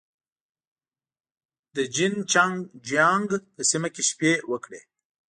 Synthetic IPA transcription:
d̪əd͡ʒint͡ʃaŋɡd͡ʒaŋɡpəsimakeʃpewəkɽḛ

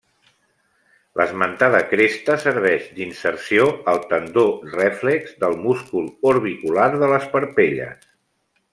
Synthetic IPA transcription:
lʔəzmənt̪aðəkɾest̪əsəɾβ̞ɛʒd̪insəɾsioəlˠt̪ənd̪orɛflɛɡzd̪əlˠmuskulˠoɾβikulaɾðələspəɾpeʎə̰s

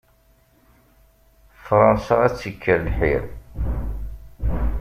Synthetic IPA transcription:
fɾˤɑnsɑæt͡sːəkʰːəɾlħḭɾ

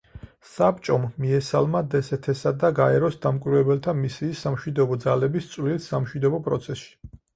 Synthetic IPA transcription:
sap̚t͡ʃʼɔmːiɛsalˠmad̪ɛsɛt̪ʰɛsad̪aɡaɛɾɔsd̪amkʼwiɾvɛbɛlt̪ʰamisiːsːamʃwid̪ɔbɔd̪zalɛbist̪sʼvlilsːamʃwid̪ɔbɔpʼɾɔt̪sʰɛsʃi̥

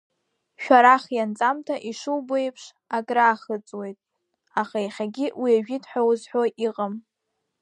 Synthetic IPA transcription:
ʃᶣaɾaχjant͡sʼamtʰaʔiʂuwbejpʰʂ | akʼraːχət͡sʼwe̞jtʼ | aχaiχʲaɡʲiʔwiaʒᶣitʰʼħʷᶣawzħʷoʔiqʼəm

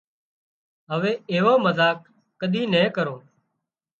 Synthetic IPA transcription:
ɦəʋeːeːʋõːməzaːk̚ː | əɗ̪iːnɛ̃ːkəɾõː

